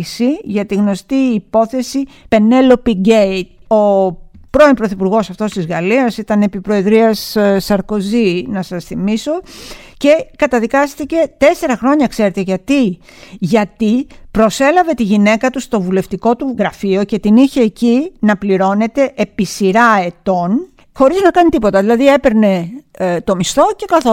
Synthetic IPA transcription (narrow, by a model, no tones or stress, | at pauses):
siʝɐt̪iɣno̞st̪iːpo̞θe̞si | pe̞ne̞lo̞piɟeit̪o̞pɾo̞impɾoθipuɾɣo̞sɐft̪o̞st̪izɣɐliɐsit̪ɐne̞pipɾo̞e̞ðɾiɐssɐɾko̞zinɐsɐsθimiso̞ce̞kɐt̪ɐðikɐst̪ice̞t̪e̞se̞ɾɐxɾo̞ɲɐkse̞ɾe̞t̪e̞ʝɐt̪i | ʝɐt̪ipɾo̞se̞lɐve̞t̪iʝine̞kɐt̪ust̪o̞vule̞ft̪iko̞t̪uɣɾɐfio̞ce̞t̪iniçe̞ːcinɐpliɾo̞ne̞t̪e̞ʔepisiɾɐe̞t̪o̞n | xo̞ɾiznɐkɐnit̪ipo̞t̪ɐðilɐðie̞pe̞ɾne̞t̪o̞mist̪o̞ce̞kɐθo